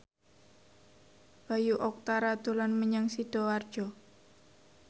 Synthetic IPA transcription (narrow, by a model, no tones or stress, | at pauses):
b̥a̤juʔɔk̚t̪aɾad̪̥o̤lanməɲaŋsiɖ̥ɔward̥ʒ̥ɔ